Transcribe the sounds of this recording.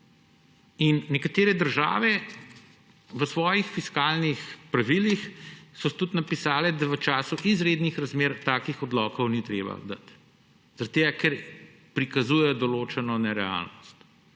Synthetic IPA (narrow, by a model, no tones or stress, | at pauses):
inːɛkat̪eːɾɛd̪əɾʒa̰ːʋɛ | ʋəsʋɔːjixfiskaːlnixpɾaʋilixsɔt̪ut̪napisaːlɛd̪aʋət͡ʃaːsuʔizɾeːd̪nixɾazmeːɾt̪aːkixɔd̪lɔkɔwnit̪ɾeːba̰d̪a̰t̪ | z̥ɾɐt̪̚t̪eːɡakɛɾ | pɾikazujɛjɔd̪ɔloːt͡ʃɛnɔnɛɾɛa̰lnɔst̪